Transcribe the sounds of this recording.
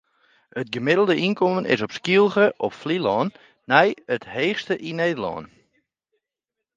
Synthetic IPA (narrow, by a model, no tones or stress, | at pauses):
ət̚ɡəmɪdəl̩ˠdəʔinkɔmənɪ̰sɔpskilˠɣəʔɔpflilɔːnː | ɛjətheːχstəʔineːdəlɔ̰ːn